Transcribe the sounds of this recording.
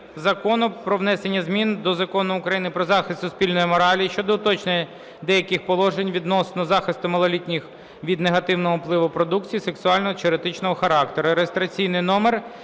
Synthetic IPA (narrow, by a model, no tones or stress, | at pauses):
zɐkɔnʊpɾɔʋnɛsenʲːɐzmʲind̪ɔzɐkɔnʊʊkɾɐjinɪpɾɔzɑxɪst̪ːʊspʲilʲnɔjimɔɾɑlʲijiʃt͡ʃɔd̪ɔʊt̪ɔt͡ʃne | d̪ɛjɐkɪxpɔlˠɔʒenʲʋʲid̪nɔsnɔzɑxɪst̪ʊmɐlˠɐlʲitʲnʲix | ʋʲid̪neɦɐt̪ɪwnɔɦɔplˠɪʋʊpɾɔd̪ukt͡sʲijiseksʊɑlʲnɔɦɔt͡ʃɪɔɾet̪ɪt͡ʃnɔɦɔxɐɾɑkt̪eɾʊɾeest̪ɾɐt͡sʲijnɪjnɔmer